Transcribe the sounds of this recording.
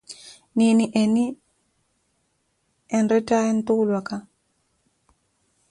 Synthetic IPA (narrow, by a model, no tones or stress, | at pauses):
niniʔeni | ɛnɾɛtaɛnt̪ulwaka